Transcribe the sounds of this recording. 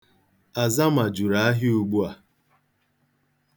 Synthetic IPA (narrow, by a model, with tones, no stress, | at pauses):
a˨za˦ma˨d͡ʒu˨ɾa˨a˦ɦɪ˦u˦ɡ͡bu˦a˨